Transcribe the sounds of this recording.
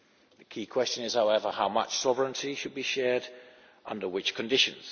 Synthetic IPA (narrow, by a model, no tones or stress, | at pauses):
ðəkʰiːkʰw̥ɛst͡ʃə̃nɪz̥haʊɛvəhaʊmʌ̰t͡ʃsɒvəɹə̃ntʰiʃɨd̚biʃɛːd | ʔʌ̃ndəwɪt͡ʃkʰə̃ndɪʃə̃nz̥